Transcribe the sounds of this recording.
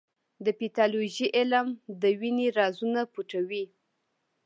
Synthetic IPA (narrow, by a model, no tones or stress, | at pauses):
d̪əpit̪ɑloʒiʔɪlmd̪əwiniɾɑzunapuʈawi